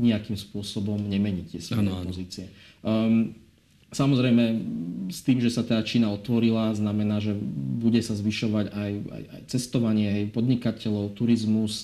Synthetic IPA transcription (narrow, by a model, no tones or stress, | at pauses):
ɲiakiːmspʊɔsɔbɔmɲɛmɛɲit̪ɪɛsɛpɔziːt͡siɛ | samɔzɾɛjmɛst̪iːmʒɛsat̪aːt͡ʃiːnaɔt̪ʋɔɾilaznamɛnaːʒɛbuɟɛsazʋiʃɔʋaɟaja̰ja̰jt͡sɛst̪ɔʋaɲɪɛɦɛjpɔd̪ɲikacɛʎɔʊt̪uɾizmus